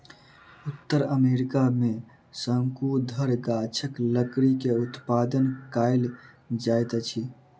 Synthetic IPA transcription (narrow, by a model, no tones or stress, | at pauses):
ʊt̪ːəɾəmeɾikamẽ | səŋkud̪ʱəɾɡat͡ʃʰəkləkɾikeut̪pad̪ənkaɪl | d͡ʒajt̪t͡ʃʰi